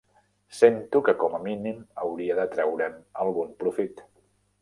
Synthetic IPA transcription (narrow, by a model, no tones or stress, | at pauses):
sent̪ukəkɔməminiməwɾiəðət̪ɾɛwɾənəlˠɣumpɾufit̪